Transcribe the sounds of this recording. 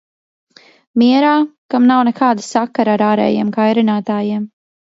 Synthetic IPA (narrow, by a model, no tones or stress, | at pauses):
miɛɾaːkamnawnɛkaːd̪asakaɾaɾaːɾɛ̰ːjeɛmkajɾinaːt̪aːjiɛm